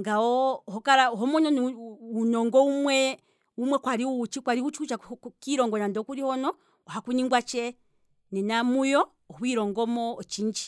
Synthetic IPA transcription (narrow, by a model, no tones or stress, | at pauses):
ŋɡawɔhɔkaɾaɦɔmɔnɔnunɔŋɡɔumwɛ | umwɛkwaɾiuut͡ʃikwaɾiut͡ʃikut͡ʃakiɾɔŋɡɔnandɔkuɾihɔnɔ | ɔhakuniŋɡwat͡ʃɛ | nɛnamujɔ | hwiɾɔŋɡɔmɔːt͡ʃiɲd͡ʒi